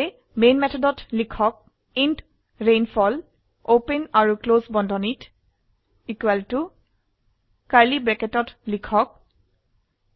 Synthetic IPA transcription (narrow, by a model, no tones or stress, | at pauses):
e | menmɛt̪ʰɔdɔtlikʰɔk̚ | int | ɹenfʰɔl | openaɹuklozbɔndʱɔnit | ikwaltu | kaɹlibɹɛketɔtlikʰɔk̚